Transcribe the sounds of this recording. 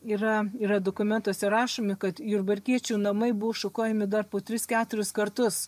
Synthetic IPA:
iːɾɐiːɾɐd̪oːkʊmʲɛnt̪oːsʲɛɾɑːʃoːmʲɪkɐt̪jʊrbɐɾʲkʲiɛt͡ʃʲuːnɐmɐɪbʊʋoːʃʊkoːjɛmʲɪd̪ɐrpoːt̪ʲɾʲɪskʲæːt̪ʊɾʲʊskɐrt̪ʊs

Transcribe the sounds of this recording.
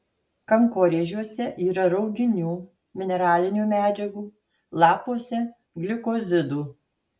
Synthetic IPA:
kɐŋkoːɾʲeːʒʲuɔsʲɛʔiːɾɐɾɒʊɡʲɪnʲuː | mʲɪnʲɛɾɑːlʲɪnʲuːmʲæːd͡ʒʲɛɡuː | lˠɑːpuɔsʲɛ | ɡlʲɪkoːzʲɪd̪uː

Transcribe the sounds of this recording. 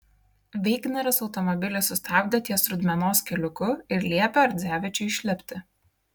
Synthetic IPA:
ʋʲɛɪɡnʲɛɾʲɛsɔʊt̪ɔmɔbʲɪlʲɪsʊst̪ɑbʲd̪ʲɛt̪ʲiɛsɾʊd̪ʲmʲɛnoːskʲɛlʲʊkʊɪɾlʲiɛpʲɛɐɾʲd̪zʲæːʋʲɪt͡ʃʲʊɪʃʲlʲɛpʲt̪ʲɪ

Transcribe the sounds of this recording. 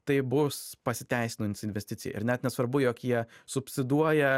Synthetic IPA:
t̪ɐɪbʊspɐsʲɪt̪ʲæˑɪsʲɪnoɪnsɪnʲʋʲɛsʲt̪ʲɪtsʲɪj̰ɪ̰ɾnʲɛt̪nʲɛsʋɐɾbʊjoːkjiɛsʊpʲsʲɪd̪uɔjɛ

